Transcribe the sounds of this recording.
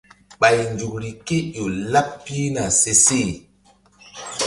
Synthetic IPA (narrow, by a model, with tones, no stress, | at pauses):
ɓa˨jnd͡ʒu˨kɾi˨ke˦jo˨la˦pːi˦na˨se˦se˦˨